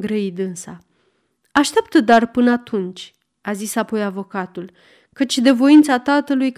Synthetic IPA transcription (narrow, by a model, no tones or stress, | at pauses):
ɡɾəid̪ɨnsa | aʃt̪ep̚t̪əd̪arpɨnəat̪unt͡ʃʲ | azisapo̞javo̞kat̪ul | kət͡ʃʲd̪e̞vo̞int̪sat̪at̪əlujk